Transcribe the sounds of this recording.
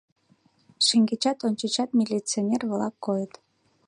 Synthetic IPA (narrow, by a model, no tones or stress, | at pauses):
ʃiŋɡet͡ɕɑt̪onʲt͡ɕət͡ɕɑt̪mʲilʲit͡sionʲerβlɑkːojət̪